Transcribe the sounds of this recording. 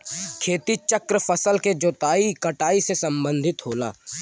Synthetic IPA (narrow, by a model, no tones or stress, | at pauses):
kʰeːt̪it͡ʃəkɾəfʰəsəlked͡ʒoːt̪aːikɐʈaːisesɐ̃mbə̃nd̪ʱɪt̪ɦoːla̰ː